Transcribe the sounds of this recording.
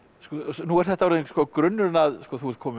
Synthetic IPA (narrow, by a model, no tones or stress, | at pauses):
skɔsnuɛɾ̥θɛht̪aɾɛðskɔːkɾʏnːʏɾnaðskɔːθuɛt̪̚kʰɔːmɪ